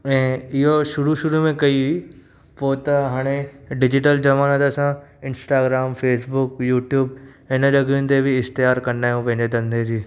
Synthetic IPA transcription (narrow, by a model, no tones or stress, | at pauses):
ɛ̃ːɪɦoʃʊɾuʃʊɾumẽkɐii | poːt̪ɐɦaːɽ̃eɖɪd͡ʑɪʈəld͡ʑɐʋaːnət̪əsãɪ̃nsʈaːɡɾaːmfeːsbʊkjuːʈjuːb | ɪnəlɐɡĩnt̪̬ebʱiɪxt̪ɪjaːɾkɐɾndaːɦijũpɐ̃ɦɪ̃ɲd͡ʑed̪ɐ̃nd̪ʱed͡ʑiː